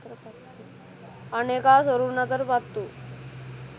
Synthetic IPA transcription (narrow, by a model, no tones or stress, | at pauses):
p | ənekasəɾuːɾnat̪əɾpat̪t̪ːuː